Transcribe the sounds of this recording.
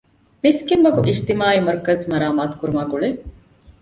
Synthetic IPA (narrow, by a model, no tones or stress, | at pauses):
miskimʋɐkuʔiʃt̪imaːimɐɾkɐzmɐɾaːmaːt̪u̥kuɾumaːɡuɭe